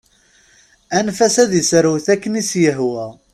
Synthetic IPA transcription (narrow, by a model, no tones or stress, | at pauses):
ænfæsæðisɾwθækːənisjəɦwæ